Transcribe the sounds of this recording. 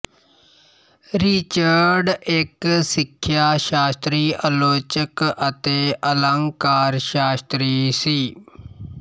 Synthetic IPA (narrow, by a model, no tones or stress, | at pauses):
ɾit͡ʃəɾɖɪksɪkʰːjaːʃaːst̪ɾiːʔəloːt͡ʃəkət̪eːʔələ̃ŋɡkaːɾʃaːst̪ɾiːsiː